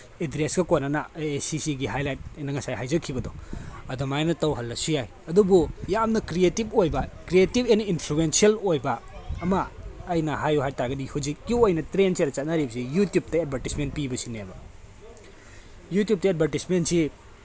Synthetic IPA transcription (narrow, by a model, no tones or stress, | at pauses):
edɾesɡɐkonːɐnaeesisiɡiɦajlajt̚jnɐŋɐsajɦajzɐkʰːibɐdɔɐdomajnɐtɐwɦɐlːɐsujaj | ɐdubujamnɐkɾietib̚ojbɐkɾietibeninpʰluensiɐlojbɐːmɐːjnɐhajuɦajtaɾɡɐdihud͡ʒikːiojnɐtɾensiaɾɐt͡ʃat̚naɾibɐsijutjup̚tɐed̚bʱaɾtismentpibɐsinebɐ | jutijup̚tɐed̚bʱaɾtismentsi